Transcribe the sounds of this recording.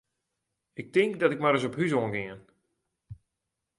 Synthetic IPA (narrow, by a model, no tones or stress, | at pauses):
ɪk̚tɪŋkdɔtɪk̚maɾəs̬ɔphys̬oənɡɪən